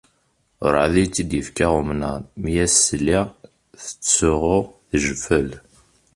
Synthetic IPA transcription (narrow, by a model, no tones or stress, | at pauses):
ɾˤðit͡sːid̪jəfkaʁʊmnəmjæsliʁ | θə̥t͡sːʊʁʊʁθəʒəfəl